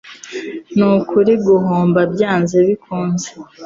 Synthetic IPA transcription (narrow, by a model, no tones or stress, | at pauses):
nukʰuɾiɡuɦoːmbabjaːnzeβikʰuːnze